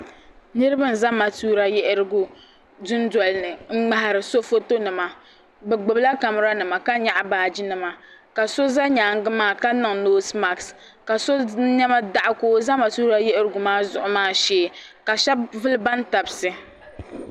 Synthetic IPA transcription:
nɨ˦ɾɨ˦bɨ˦n̩˨za˦ma˨tuː˦ɾa˦jɛ˦ʔɾɨ˦ɡu˨ | dʊ˦ndɔ˨lnɨ˨ŋ̩˦ŋ͡ma˦ha˨ɾɨ˨so˦fo˦to˦nɨ˨ma˨ | bɛ˨ɡ͡bɨ˨bla˦ka˨m˦ɾa˦nɨ˨ma˨ka˦ɲa˦ʔbaː˨d͡ʒi˦nɨ˨ma˨ | ka˨so˦za˦ɲaː˨ŋ˦ɡɨ˦maː˦˨ka˦nɨ˨ŋnoː˦sma˨ks | ka˨so˦ɲɛ˦ma˦da˦ʔa˦koː˦za˦ma˨tuː˦ɾa˦jɛ˦ʔɾɨ˦ɡʊ˨maː˦zʊ˨ʔʊ˦maː˦˨ʃeː˦˨ | ka˨ʃɛ˦vɨ˦lba˦n˦ta˨bsɨ˦

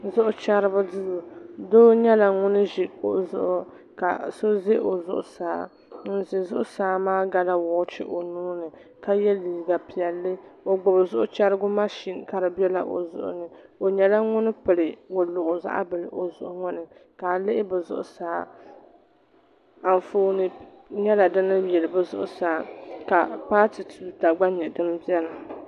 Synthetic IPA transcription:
zʊ˦ʔʊ˦t͡ʃa˦ɾɨ˦bʊ˦dɨ˦zʊ˨doː˦ɲɛ˦la˨ŋʊ˦nɨ˦ʒɪ˨ʊ˨zʊ̰˦ʔʊ˦ | ka̰˨so˦zɪ˦ʔo˨zʊ̰˦˨ʔʊ̰˨saː˨˦ | n̩˦˨zɪ˨zʊ˦ʔʊ˦saː˨˦maː˦ɡa˦la˦wɔː˨˦t͡ʃɪ̰˦ʔo˨nuː˦nɨ˨ | ka˦jɛ˦liː˨ɡa˨pi˨ɛ˨lːɨ˦o˨ɡ͡bʊ˨bzʊ˦ʔʊ˦t͡ʃa˦ɾɨ˦ɡʊ˦ma˦ʃi˦˨n˨ka˨ɾɨ˨bɛ˦la˦˨ʔo̰˨zʊ̰˨ʔʊ̰˦nɨ˨o˨ɲɛ˨la˦ŋʊ˦nɨ˦pɨ˨lɨ˨wʊ˨lʊ˨ʔʊ˨za̰˦ʔa̰˦bɨ˨lɨ˨ʔo˨zʊ̰˨ʔʊ˦ŋʊ˦nɨ˨ka˨lɪ˦ʔɪ˦bɨ˨zʊ̰˦ʔʊ̰˦saː˨˦ | a˨n˨foː˦nɨ˨ | ɲɛ˦la˨dɨ˦nɨ˦jɛ˨lɨ˨bɨ˦zʊ̰˦ʔʊ̰˦saː˨˦ka˨pa˦ti˨tʰuː˦ta˨ɡ͡ba˦ɲɛ˨dɨ˦m˦bɛ˦la˨

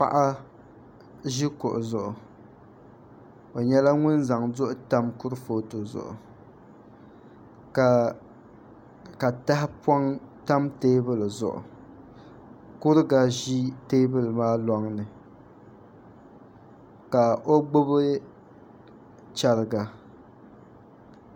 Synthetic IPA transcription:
pa̰˦ʔa˦ | ʒi˦kʊ˨ʔʊ˨zʊ˨ʔʊ˨ | o˨ɲɛ˦la˦ŋʊ˦nza˨ŋzʊ˦ʔʊ˦ta˦mkʊ˦ɾɨ˦foː˦to˨zʊ̰˨ʔʊ̰˨ | ka˨ | ka˨ta˦hɪ˦pɔ˦ŋta˦mteː˦bɨ˦lɨ˨zʊ̰˨ʔʊ̰˨ | kʊ˦ɾɨ˦ɡa˦ʒi˦teː˦bɨ˦lɨ˨maː˦lɔ˦ŋnɨ˨ | ka˨o˦ɡ͡bʊ˦bɨ˦ | t͡ʃa˨ɾɨ˨ɡa˨

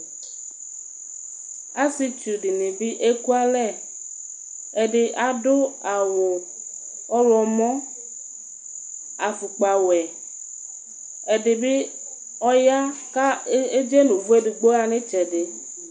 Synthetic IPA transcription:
a˦si˦t͡ʃu˨ɖi˨nĩ˨bi˦ʔe˦ku˦a˦lɛ˦˨ | e˨ɖe˨ʔa˨ɖo˦a˨wo˨ | ɔ˦lɔ˨mɔ̃˦ | a˨fu˨k͡pa˨wɛ˨ | e˨ɖe˨bi˦ | ɔ˦ja˦ka˦e˦d͡ʒe˦nũ˨vu˦e˦de˨ɡ͡bo˦a˨nẽ˦t͡ʃɛ˨ɖe˨

